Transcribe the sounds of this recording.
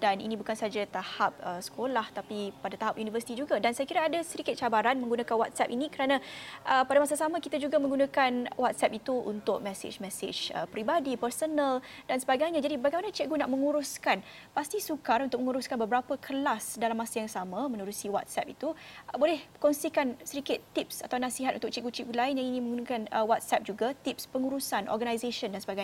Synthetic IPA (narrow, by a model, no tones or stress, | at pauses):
d̥anḭnĩbukansaad͡ʒat̪ahap̚əsə̥kʰolaht̪apipadat̪aɦapjunivərsi̥t̪id͡ʒuɡadansajakiɾaːdasəɾikɪt̪̚t͡ʃabaɾanməŋɡunãkanwat̪̚sɛpinĩkəɾanãʔəpadamasasamãkit̪ad͡ʒuɡamə̃ŋɡunãkanwat̪̚sɛpit̪uʔṵnt̪ʊk̚mɛsɪ̰d͡ʒmɛsɪ̰d͡ʒə̰pɾibadipərsonə̃ldansəbaɡajɲãd͡ʒadibaɡajmanat͡ʃiʔ̚ɡunaʔmə̃ŋuɾʊskan | past̪isukaɾunt̪ʊk̚məŋuɾʊskanbəbəɾapəkʰəlasdalamːasajaŋsamãmənuɾusiwa̰t̪̚sɛ̰p̚it̪ubolɛhkɔnsikansəɾikɪt̪ːip̚sat̪awnasiɦat̪ʔunt̪ʊk̚t͡ʃiʔɡut͡ʃiʔ̚ɡulaɪnjaŋinĩmə̃ŋɡunakanəwat̪̚sɛp̚d͡ʒuɡat̪ip̚spəŋuɾusanʔɔ̰rɡanajzeʃəndansəbaɡaj